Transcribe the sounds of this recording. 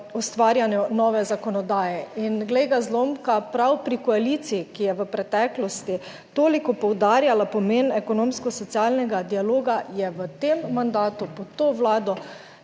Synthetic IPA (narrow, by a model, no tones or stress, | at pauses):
ust̪ʋaːɾjanjɛnɔʋɛzakɔnɔd̪aːjɛinɡlejɡazloːmkapɾawpɾikɔalit̪siikijɛʋəpɾɛt̪ɛːklɔst̪i | t̪oːlikɔpɔwd̪aːɾjalapɔmeːnɛkɔnoːmskɔsɔt̪sialnɛɡad̪ialoːɡajɛʋət̪emːand̪aːt̪upɔt̪oːʋlaːd̪ɔ